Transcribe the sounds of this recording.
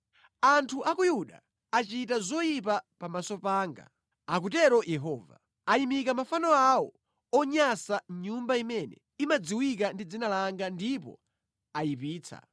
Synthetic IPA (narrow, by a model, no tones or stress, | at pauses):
antʰuʔakujuɗa̰ | at͡ʃitazɔjip̬apamasɔpaːŋɡa̰ | ak̬utɛɾɔjɛɦɔːva̰ | ajimikamafanɔawɔ | ɔɲasaɲumbaimɛnɛ̰ | imad͡ziwikandid͡zinalaŋɡandipɔ̰ | ajip̬iːt͡sʰa̰